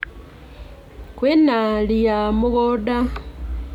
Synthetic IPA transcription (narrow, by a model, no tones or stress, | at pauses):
kwenalijamuɣoda